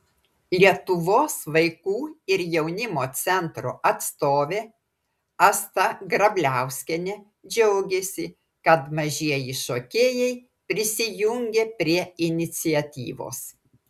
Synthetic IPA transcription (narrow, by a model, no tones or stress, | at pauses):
lʲiɛt̪ʊʋoːsʋɐɪkuːɪɾjɛʊnʲɪmoːt̪sʲɛnt̪ɾoʔɐt̪st̪oːʋʲeː | ɐst̪ɐɡɾɐbʲlʲæˑʊsʲkʲɛnʲe | d͡ʒʲɛʊɡʲesʲɪ | kɐt̪mɐʒʲiɛjiʃoːkʲeːjɛɪ | pʲɾʲɪsʲɪjʊŋʲɡʲeːpʲɾʲiɛɪnʲɪt̪sʲɪɛt̪ʲḭːʋo̰ːs